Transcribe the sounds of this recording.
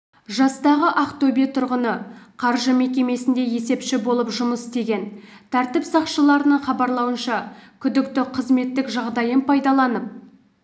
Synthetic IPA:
ʒɑst̪ɑʁəʔaqt̪obijt̪ʰʊɾʁənəqʰɑɾʒəme̞kʲe̞me̞sɪnd̪e̞je̞se̞pʃɪbo̞lˠəpʒʊməst̪e̞ɡʲe̞nt̪ʰæɾt̪ɪpsɑqʃəlˠɑɾənəɴχɑbɑɾlˠɑwənʃɑkʲʰʏd̪ɪkt̪ɪqʰəzme̞t̪ːɪkʒɑʁd̪ɑjənpʰɑjd̪ɑlˠɑnəp̚

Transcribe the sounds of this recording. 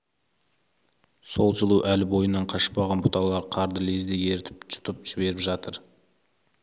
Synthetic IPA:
so̞lˠʒəlˠuʔælɪbo̞jənːɑɴqʰɑʃə̥p̚ɑʁɑnbʊt̪ɑlˠɑɾqʰɑɾd̪əle̞zd̪e̞ɡʲeɾt̪ʰɪp̚t͡ʃʰʊ̥t̪əp̚ʒ̥ɪbe̞ɾɪpʒɑt̪əɾ

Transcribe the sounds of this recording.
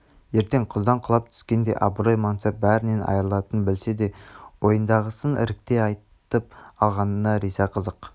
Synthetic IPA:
je̞ɾt̪e̞ŋqʰʊzd̪ɑɴqʰʊlˠɑp̚t̪ʰʏ̥skʲe̞nd̪e̞̰ʔɑbɾojmɑnt̪sep̚bæɾɪne̞nɑ̰jəɾəlˠɑt̪ənbɪlse̞d̪e̞wo̞jənd̪ɑʁəsənʔɪ̰ɾɪk̚t̪e̞ɑjt̪əp̚ɑlˠʁɑnənɑɾisɑqʰəzəq

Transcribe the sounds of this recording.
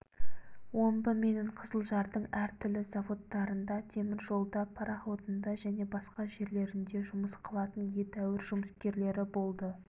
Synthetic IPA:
wo̞mbəme̞neɴqʰəzəlˠʒɑɾd̪əɴæɾt̪ʰʏlɪzavo̞t̪ːɑɾənd̪ɑt̪ʰe̞mɪɾʒo̞lˠd̪ɑpʰɑɾɑχot̪ənd̪ɑʒæne̞bɑsqɑʒe̞ɾle̞ɾɪnd̪e̞ʒʊməsqʰɑlˠɑt̪ənje̞t̪æwɪɾʒʊməskʲe̞ɾle̞ɾɪbo̞lˠd̪ə

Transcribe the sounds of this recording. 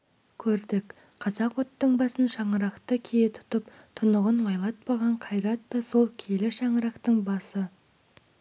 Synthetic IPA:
kʲʰɵɾd̪ɪk | qʰɑzɑqwot̪ːəɴbɑsənʃɑɴəɾɑqt̪əkʲʰejet̪ʰʊ̥t̪əp | t̪ʰʊnəʁənwɑjlˠɑt̪̚pɑʁɑɴqʰɑjɾɑt̪ːɑso̞lˠkʲʰelɪʃɑɴəɾɑqt̪əɴbɑsə

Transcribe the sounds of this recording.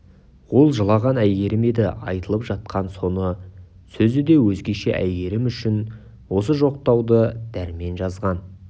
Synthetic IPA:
wo̞lˠʒəlˠɑʁɑnæjɡe̞ɾɪme̞d̪ɪʔɑjt̪əlˠəpʒɑt̪̚qɑnso̞nə | sɵzɪd̪e̞wɵzɡʲe̞ʃḛʔæ̰jɡe̞ɾɪmʏʃɪn | wo̞səʒo̞q̚t̪ɑwd̪əd̪̥æɾme̞nʒɑzʁɑn

